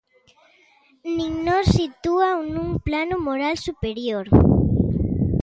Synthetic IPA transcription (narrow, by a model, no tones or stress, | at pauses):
nĩŋnɔɾsit̪uawnũŋplanʊmoɾalsupeɾjoɾ